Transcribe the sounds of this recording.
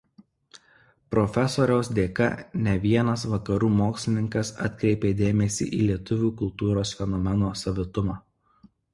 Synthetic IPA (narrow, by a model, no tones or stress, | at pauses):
pɾɔfʲɛsoːɾʲɛʊsd̪ʲeːkɐ̰nʲɛʋʲiɛnɐs̬ʋɐkɐɾuːmoːksʲlʲɪnʲɪŋkɐsɐ̰t̪ʲkɾʲɛɪpʲeːd̪ʲeːmʲɛsʲḭːʔḭːlʲiɛt̪ʊʋʲuːkʊlˠt̪uːɾoːsfʲɛnɔmʲɛnoːsɐʋʲɪt̪ʊmɑː